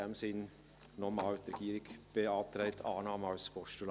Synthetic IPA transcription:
ɛmsɪn | nɔmɑːlt̪ɾɛɡ̥iːɾɪɡb̥eɑːt̪ɾɛɪtʰɑːnɑːməɑwspɔʃtul

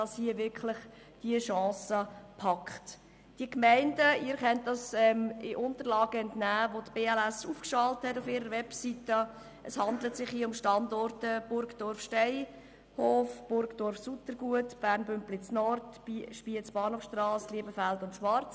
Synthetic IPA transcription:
dɑshiəʋɪɾkχlɪχ | d̥iəʃɑ̃ːsəpʰɑkχt | d̥iəkmæɪndəiːɾkɛnt̚dɑsɛmɪʔʊntəɾlɑːɡ̥əɛntnæːʋotb̥eːɛlæsuːfkʃɑlthɛtʊfɪːɾəɾʋɛpsitə | ʔəshɑndlətsɪχhiːʊmʃtɑndɔɾtəb̥ʊɾɡd̥ɔɾfʃtɛɪ | hoːfb̥ʊɾɡd̥ɔɾfsutəɾɡuətb̥æːɾnbʏmplɪt͡snɔrtʃpiət͡sb̥ɑːnhoːfʃtrɑːskliəbəfældʊntʃʋɑɾt͡s

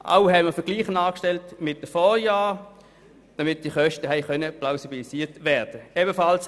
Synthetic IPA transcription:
ʔa̰ʊɦɛɪməɐfəɐɡ̥liːχənaːkʃtɛltmɪt̚d̥əfoːjaː | d̥amɪt̚d̥iχœʃtəɦɛɪχœnəplaʊsibilisiːtʋɛːɐd̥əeːbəfɑls

